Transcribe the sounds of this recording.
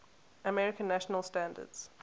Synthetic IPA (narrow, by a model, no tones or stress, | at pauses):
əmɛɹɪkə̃nːaʃənəlˠstãndə̰dz̥